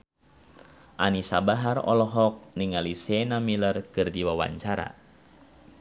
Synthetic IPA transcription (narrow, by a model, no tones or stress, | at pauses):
ʔanisabaɦarɔ̰lɔɦɔk̚niŋalisɛnamilərkɨrdiwawa̰ɲt͡ʃaɾa̰